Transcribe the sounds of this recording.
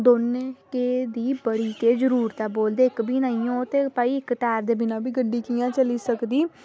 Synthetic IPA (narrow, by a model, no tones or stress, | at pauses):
d̪oːneːkeːd̪iːbəɽiːkeːd͡ʒəɾuːɾt̪ɛːboːld̪eːɪkbʱiːnãːiõːt̪eːpaːiːɪkʈɛːɾd̪eːbɪnãːbiːɡəɖiːkijãːt͡ʃəliːsəkd̪iː